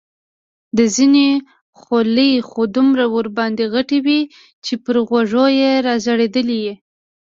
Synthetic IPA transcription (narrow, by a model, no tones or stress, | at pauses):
d̪əzine | xoləjxod̪ʊmɾawəɾbɑnd̪eɣaʈiwi | t͡ʃepəɾɣwaʐojeɾɑzaɽed̪əlije